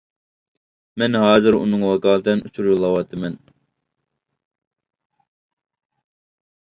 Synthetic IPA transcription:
mɛnɦɑːzɨɾṵnɨŋwɑkɑːlˠɨd̪ɨnʔut͡ʃʰuɾjulˠːɑwɑt̪ːɨmɛn

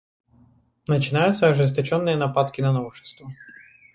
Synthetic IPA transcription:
nət͡ɕɪnajʊt̪səɐʐɨs̬t̪ɐt͡ɕonːɨjənɐpat̪kʲɪnɐnovʂɨ̥st̪və

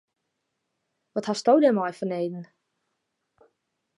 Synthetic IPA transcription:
ʋɔthastowdɛmɔjfɔneːdn̩

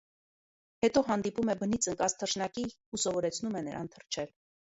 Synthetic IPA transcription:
hɛt̪ɔɦɑnd̪ipumɛbənit͡sʰəŋkɑzt̪ʰərʃnɑki | usɔvɔɾɛt͡sʰnumɛnəɾʔɑ̰nt̪ʰərt͡ʃʰɛl

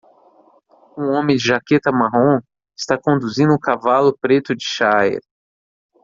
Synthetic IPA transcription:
ũõmẽd͡ʒɪʒaket̪ɐmaɦõ | ɪst̪akõnd̪uzĩnd̪ʊʊkavalʊpɾet̪ʊd͡ʒɪʃaɛ̰ɾ

